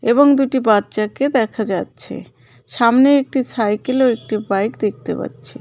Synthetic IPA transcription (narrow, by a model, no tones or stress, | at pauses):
eboŋd̪uʈibatːɕaked̪ɛkʰad͡ʑatːɕʰḛ | ʃamneek̚ʈisajkeloek̚ʈibajkd̪ek̚t̪epa̰tːɕʰe